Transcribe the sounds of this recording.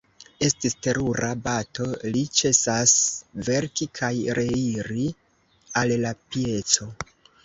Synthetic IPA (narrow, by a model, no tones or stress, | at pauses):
e̞stiste̞ɾuɾabato̞lit͡ʃe̞sasve̞ɾkikʰajɾe̞iɾi | allapie̞t͡so̞